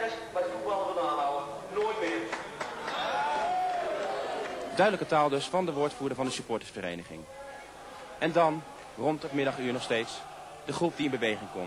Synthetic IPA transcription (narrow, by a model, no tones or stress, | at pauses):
smadualʋənaːawə | noːjtmɪː | dœɥdələkətaːlˠdɵsfɑndəʋʊːɹtfuːɹdəvɑndəsypɔːɹtə̥sfəɾḛjnəχɪ̰ŋ | ʔɛndɑn | rɔntətmɪdɑχyːɹnɔχstejts | d̥əχrup̚diɪnbəʋejχɪŋkɔ̰m